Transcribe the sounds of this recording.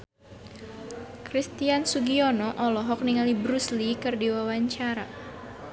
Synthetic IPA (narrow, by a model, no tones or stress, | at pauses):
kɾist̪iansuɡiɔnɔʔɔlɔɦɔk̚niŋalibɾuslikɨrdiwawaɲt͡ʃaɾa